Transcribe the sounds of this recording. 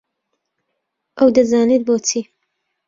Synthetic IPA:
ʔɐwd̪ɐzaːnet̪̚boːt͡siː

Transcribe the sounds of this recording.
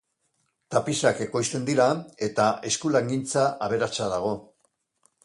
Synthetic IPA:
t̪apisake̞ko̞jst̪e̞nd̪iɾae̞t̪ae̞skulaŋɡint͡saʔaβ̞e̞ɾat͡saðaɣ̞o̞

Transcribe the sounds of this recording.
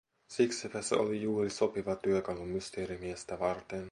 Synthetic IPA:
siksipæsḛo̰lijuːriso̞piʋɑt̪yøkɑlumyst̪eːɾimiest̪æʋɑrt̪en

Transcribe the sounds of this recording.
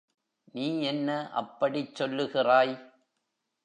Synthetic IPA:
niːɛnːɐʔɐ̰pːɐɽit͡ʃsɔlːɯɣɪraːj

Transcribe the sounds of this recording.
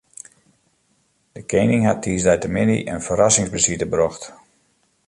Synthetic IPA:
d̥əkʰejnɪŋɦat̚ʰiːsdɛjtəmɪnḭʔənfəɾasɪŋzbəsitəbrɔxt

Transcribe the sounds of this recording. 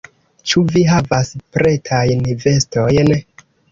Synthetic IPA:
t͡ʃuviɦavaspɾe̞tʰajnve̞sto̞jn

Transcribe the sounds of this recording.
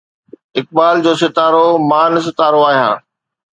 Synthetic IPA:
ɪk̚baːld͡ʑoːsɪt̪aːɾomaːns̬ɪt̪aːɾoaːɦjã̰ː

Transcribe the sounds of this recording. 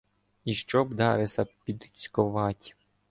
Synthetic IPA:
iʃt͡ʃɔbd̪ɑɾɪsʲɐpʲid̪it͡sʲkʊʋɑtʲ

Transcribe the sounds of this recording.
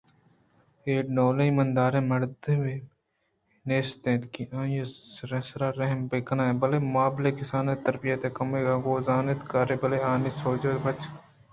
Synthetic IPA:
eːʈnoːleĩmɐnd̪aːɾẽmɐɾd̪eme | neːst̪ẽːt̪kiãːjeɾɐsɾaːɾɐɦmbekɐnaːẽbɐlemʊaːblekɪsaːnet̪ɐɾbijɐt̪ekɐmeːɡaɡoːzaːnet̪kaːɾebɐleaːnisoːd͡ʒɐd̪bɐt͡ʃ

